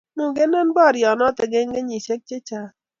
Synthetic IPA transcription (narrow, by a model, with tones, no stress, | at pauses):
mu˦˨ɡe˦nɔ˦nbɔ˦˨ɾjɔ˨nɔ˦t̪ɛ˨ɡe˦ŋɡe˦ɲi˨se˦k̚t͡ʃe˦t͡ʃa˨